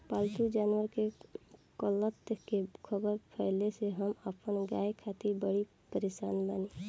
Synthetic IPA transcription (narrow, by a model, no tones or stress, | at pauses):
paːlt̪ud͡ʒaːnwəɾkekɔlət̪kekʰəbəɾpʰɛɪleseɦəməpənɡa̰ːjekʰaːt̪ibəɽi | pəɾeʃaːnbaːni